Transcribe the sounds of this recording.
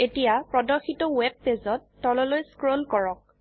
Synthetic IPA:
etijapɹɔdɔɹxitɔwɛb̚ːezɔtːɔlɔlojskɹonkɔɹɔk̚

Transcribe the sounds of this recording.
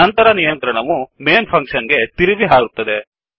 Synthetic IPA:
ɐnt̪ɐɾɐnijɐnt̪ɾɐɳɐʋumeːnpʰɐŋkʂɐnɡe̞t̪iɾiʋiɦaːɡut̪ːɐd̪e̞

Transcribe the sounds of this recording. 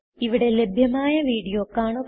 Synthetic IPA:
iʋiɽe̞le̞bʱjɐmaːjɐʋiːɽijoːkːaːɳok

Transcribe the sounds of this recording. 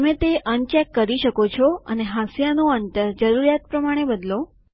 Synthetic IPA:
əmẽt̪eʔənt͡ʃɛkːəɾiʃəkot͡ʃʰɔə̰neɦasjanoənt̪əɾd͡ʒəɾuɾjat̪̚pɾəmaɽ̃ebəd̪lo

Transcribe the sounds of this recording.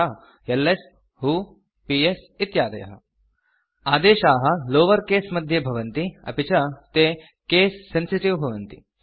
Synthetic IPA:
a | jelːes | ɦuː | pies | it̪jaːd̪ɐjɐ̰ɦɐ̰ | aːd̪eːɕaːɦɐloːʋəɾkesmɐd̪ʱjebʱɐʋənt̪iɐ̰pit͡ɕat̪e | keːsːensiʈiʋbʱɐʋənt̪ḭ

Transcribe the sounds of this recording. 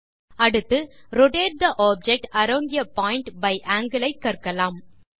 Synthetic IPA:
ɐɽɯt̪ːɯɾʊɖeːʈ̚d̪ɐʔaːb̚d͡ʒɛk̚ʈɐɾɐːɳɖɪjɐpaːɪɳʈbɐɪʔaːŋɡɐlɐɪkːɐɾkɐlaːm

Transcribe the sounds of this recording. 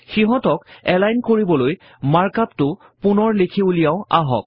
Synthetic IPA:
xiɦɔtɔkɛlajnkoɹibɔloj | maɹkaptʊ | pʊnɔɹlekʰiulijaʊa̰ɦɔ̰k̚

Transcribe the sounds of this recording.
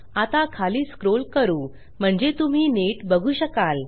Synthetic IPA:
at̪akʰaliːskɾolkəɾuː | m̤əɳd͡ʑet̪um̤iːneʈbəɡʱuːɕəkal

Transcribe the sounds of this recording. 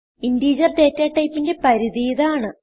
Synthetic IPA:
indiːd͡ʑɐrt̪eːtːaːʈːɐjpːinde̞pɐɾiðijɐðaːɳɨ

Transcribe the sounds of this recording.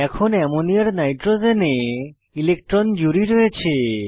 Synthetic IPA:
ɛkʰonɛmoniaɾnajʈɾozene | ilek̚ʈɾɔnd͡ʒuɾiɾɔet͡ɕʰe

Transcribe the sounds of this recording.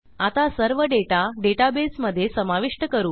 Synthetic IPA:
at̪asəɾʋəɖeʈaɖeʈabesməd̪ʱːjesəmaʋiʂʈəkəɾuː

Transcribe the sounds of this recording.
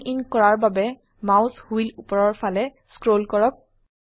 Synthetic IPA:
inkɔɹaɹbabɛ | mawshuilupɔɹɔɹpʰalɛ | skɹolkɔɹɔk̚

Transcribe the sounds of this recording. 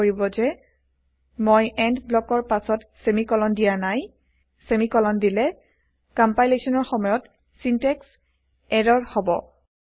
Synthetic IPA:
oɹibɔzɛ | mojɛndblɔkɔɹpasɔtsemikɔlɔndijanaj | semikɔlɔndilɛ | kɔmpajlesɔnɔɹxɔmɔjɔt | sintɛks | ɛɹɔɹhɔbɔ̰

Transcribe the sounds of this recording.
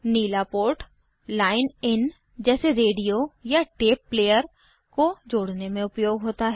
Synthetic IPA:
niːlapoːɾʈ | laːɪnɪn | d͡ʒɛːseɾeːɖijojaʈeːpːleːjəɾ | kod͡ʒoːɽnemẽʊpjoːɡɦoːt̪aɦɛː

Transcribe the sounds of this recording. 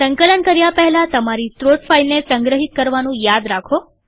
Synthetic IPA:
səŋkələnkəɾjapɛɦɛlat̪əmaɾit̪ɾoʈfailnesə̃ŋɡɾəɦit̪̚kəɾʋanũjad̪ɾakʰo

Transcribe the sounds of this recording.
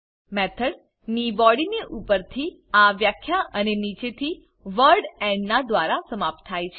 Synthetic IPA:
mɛt̪ʰəɽ | nibɔɽineʔupəɾt̪ʰi | aʋjakʰːjaʔənenit͡ʃet̪ʰi | ʋəɾɖɛ̃ɳɖnad̪ʋaɾasəmap̚t̪ʰːajt͡ʃʰe

